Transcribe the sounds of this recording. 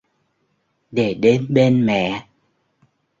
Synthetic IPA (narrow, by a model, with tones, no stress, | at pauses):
ɗe˧˩ɗe˨˦nɓe˧nmɛ̰˧˨